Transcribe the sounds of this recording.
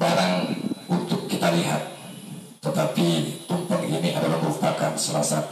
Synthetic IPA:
baɾaŋunt̪ʊkːit̪aliɦa̰t̪̚ː | ət̪apit̪umpəŋiniʔa̰dalahməɾupakansəla̰sa

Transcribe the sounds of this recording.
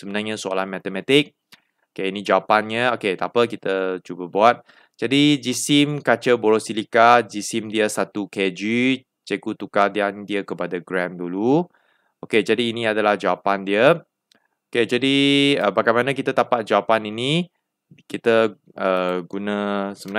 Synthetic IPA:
səmənarɲəsoa̰lanmɛt̪əmɛt̪ɪk̚ | okeinĩd͡ʒawapanɲəoket̪apəkit̪ət͡ʃubəbuat̪̚ | d͡ʒadid͡ʒisimkat͡ʃəboɾosilikad͡ʒisimdiəsat̪uked͡ʒi | t͡ʃekut̪ukadiandiəkəpadaɡɾandulu | oked͡ʒadiːnĩadalahd͡ʒawapandiə | oked͡ʒadiəbaɡajmanakit̪at̪apat̪̚d͡ʒawapanini | kit̪ə | əɡunə̃səməna

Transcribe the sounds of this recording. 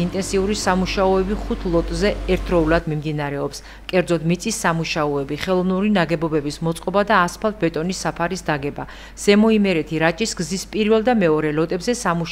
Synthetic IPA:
int̪ʼɛnsiuɾisamuʃaɔɛbiχut̪ʰlˠɔt̪ʼzɛɛɾt̪ʰɾɔulˠad̪mimd̪inaɾɛɔps | kʼɛɾd̪zɔd̪mit̪sʼisːamuʃaɔɛbiχɛlˠɔvnuɾinaɡɛbɔbɛbismɔt̪sʼqʼɔbad̪aːspʰalˠt̪̚ʰbɛt̪ʼɔnisːapʰaɾisd̪aɡɛba | z̥ɛmɔimɛɾɛt̪ʰiɾat͡ʃʼisɡzispʼiɾvɛlˠd̪amɛɔɾɛlɔt̪ʼɛbzɛsamuʃ

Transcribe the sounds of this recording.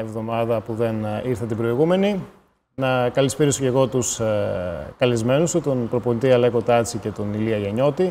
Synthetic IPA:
evðo̞mɐðɐpuðe̞niɾθɐt̪ibɾo̞iɣume̞ni | nɐkɐlispiɾiso̞ce̞ɣo̞t̪us | kɐlizme̞nust̪ut̪o̞npɾo̞po̞nit̪iɐleko̞t̪ɐt͡sice̞t̪o̞niliɐʝɐɲo̞t̪i

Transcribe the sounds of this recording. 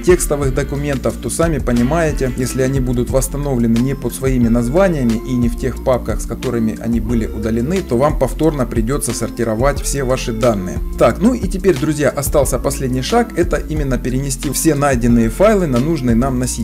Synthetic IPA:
tʲe̞kst̪əvɨxd̪əkʊmʲe̞nt̪əft̪o̞samʲɪpənʲɪmajɪtʲɪjesʲlʲɪɐnʲibud̪ʊt̪vəst̪ɐno̞vlʲɪnɨnʲɪpot̪svɐimʲɪnɐzvanʲɪjəmʲɪʔinʲɪftʲe̞xpap̚kəxskɐt̪o̞ɾɨmʲɪʔɐ̰nʲibɨlʲɪʔʊd̪əlʲɪnɨt̪o̞vampɐft̪o̞rnəpɾʲɪdʲo̞t̪sːəsɐrtʲɪɾɐvatʲfsʲe̞vaʂɨd̪anːɨ̰jə̰t̪aknuitʲɪpʲeɾʲd̪ɾʊzʲjaʔɐst̪ɑlˠsʲəpɐsʲlʲedʲnʲɪjʂakɛt̪əʔimʲɪnːəpʲɪɾʲɪnʲɪsʲtʲifsʲe̞n̪ajdʲɪnːɨjəfajlˠɨnɐnuʐnɨjənamnɐsʲi

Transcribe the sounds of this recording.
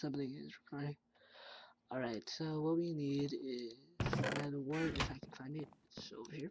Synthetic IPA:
sʌ̃mbθɪ̃ŋɪ̰zɹɨkʰɑɹɪ̃ŋ | ɔlˠɹaɪtsoʊwʌt̚winiɾɪz̥aðwɜ˞ɪfaɪkʰn̩fãɪ̃ndɨt̚so̰ʊvə˞hiɹ

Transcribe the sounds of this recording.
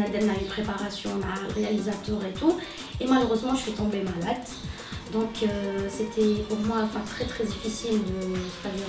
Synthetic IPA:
ad̪ɛnnaynpχepaʁasjɔ̃maʁealizat̪œʁet̪u | emaløʁøzmɑ̃ʒəsɥit̪ɔ̃bemalad̪ | d̪ɔ̃kʰøset̪ʰɛpuʁmwaɑ̃fɛ̃t̪χɛt̪χɛd̪ifisild̪əfad̪i

